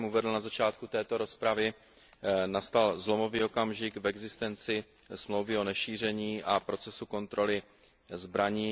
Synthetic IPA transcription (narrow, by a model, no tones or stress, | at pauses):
muvɛd̪l̩nazat͡ʃaːt̪̚kut̪ɛːt̪o̞ɾo̞spɾavɪ | nast̪alzlo̞mo̞vio̞kamʒɪkvɛɡzɪst̪ɛnt͡sɪ | smlo̞wvɪo̞nɛʃiːr̝ɛɲiːʔapɾo̞t͡sɛsuko̞nt̪ɾo̞lɪ | zbɾaɲiː